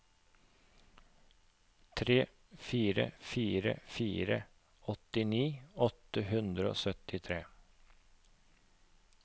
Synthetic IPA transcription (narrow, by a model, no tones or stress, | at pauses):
t̪ʰɾeː | fiːɾə̰fiːɾə̰fiːɾə | ɔt̪ɪniːɔt̪əhʉnd̪ɾəo̰ːsœt̪ɪt̪ʰɾeː